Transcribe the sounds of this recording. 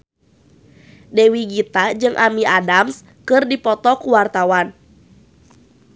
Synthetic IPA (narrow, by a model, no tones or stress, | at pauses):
dewiɡit̪ad͡ʒɨŋʔamiʔadams | kɨrdipɔt̪ɔkuwart̪awan